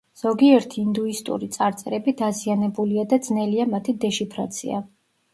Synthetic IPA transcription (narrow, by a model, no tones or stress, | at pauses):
z̥ɔɡiɛɾt̪ʰiːnd̪uist̪ʼṵɾit̪sʼaɾt̪sʼɛɾɛbid̪azianɛbuliad̪ad̪znɛliamat̪ʰid̪ɛʃipʰɾa̰t̪sʰḭa̰